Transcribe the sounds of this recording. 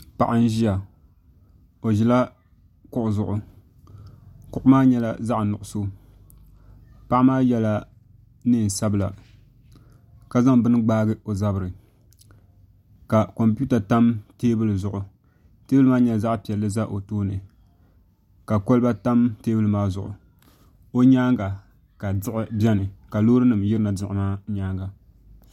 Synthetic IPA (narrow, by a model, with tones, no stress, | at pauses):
pa˨ʔɨ˦n˦ʒi˦ja˨ | o˨ʒi˨la˦ | kʊ˦˨ʔʊ˨zʊ˨ʔʊ˨ | kʊ˦ʔʊ˦maː˦ɲɛ˦la̰˦za˦ʔnʊ˨ʔʊ˨so˦ | pa˦ʔmaː˦jɛ˦la˦ | nɨ˦˨n̩˨sa˦bɨ˨la˨ | ka˦za˦ŋbɨ˦nɨ˦ɡ͡baː˦ɡɨ˦o˨za˦bɨ˨ɾɨ˨ | ka˨ko˨mpu˦ta˨ta˦mteː˦bɨ˦lɨ˨zʊ˨ʔʊ˨ | teː˦bɨ˦lɨ˦maː˦ɲɛ˦za˦ʔpi˨ɛ˨lːɨ˦za˦ʔo˨toː˦nɨ˨ | ka˨ko˦lɨ˦ba˦ta˦mteː˦bɨ˦lɨ˦maː˦zʊ̰˨ʔʊ̰˨ | o˦ɲaː˦ŋɡa˨ | ka˨dɨ˦ʔɪ˨bɛ˦nɨ˨ka˨loː˦ɾɨ˦nɨ˨mjɪ˦ɾɨ˦na˨dɪ˦ʔɪ˨maː˦ɲaː˦ŋɡa˨